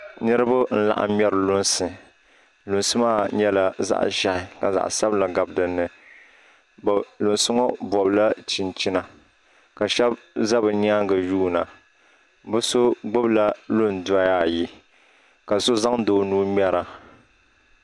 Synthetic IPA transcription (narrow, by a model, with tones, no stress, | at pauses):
nɨ˦ɾɨ˦ba˦n̩˦la̰˨ʔa̰˨mɛ˦ɾɨ˨lʊ˦nsɨ˨ | lʊ˨nsɨ˦maː˦ɲɛ˦la˨za̰˦ʔʒa˨hɪ˨ka˨za̰˨ʔsa˦bla˨ɡa˨bdɨ˨nːɨ˨ | blʊ˨nsʊ˦ŋɔ˦bɔ˨bla˦t͡ʃi˨nt͡ʃi˦na˨ | ka˨ʃɛ˦b | za˦bɨ˨ni˦a˦ŋɡɨ˨juː˦na˨ | bʊ˦so˦ɡ͡bʊ˦bla˦lʊ˦ndʊ˨a˦ja˦˨ji˦ | ka˨so˦za˦ŋdoː˨nuː˦mʲɛ˦ɾa˨